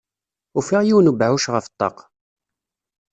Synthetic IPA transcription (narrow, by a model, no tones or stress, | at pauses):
ufiʁjiwnubʕuʃʁəfət̪ˤːɑ̰q